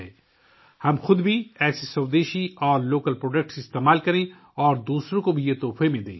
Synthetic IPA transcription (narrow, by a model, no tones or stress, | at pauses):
ɛː | hɐmxʊd̪bʱiɛːsesɐːʋd̪eːʃiɔːɾloːkəlpɾoːɖək̚ʈsɪst̪eːmaːlkɐɾẽ | ɔːɾd̪uːsɾõkobʱijet̪oːfʰemẽd̪ḛ̃ː